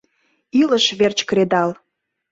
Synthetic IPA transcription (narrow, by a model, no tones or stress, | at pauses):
iləʃβert͡ɕkɾed̪ɑl